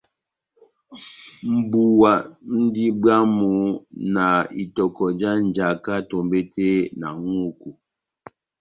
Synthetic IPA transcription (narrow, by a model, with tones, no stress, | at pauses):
m̩˨bu˨wa˨n̩˦di˦bɰa˦mu˨˦na˨i˨tɔ˨kɔ˨d͡ʒa˦n̩˨d͡ʒa˨ka˦to˨mbe˦tʰe˦na˨ŋu˦˨ku˨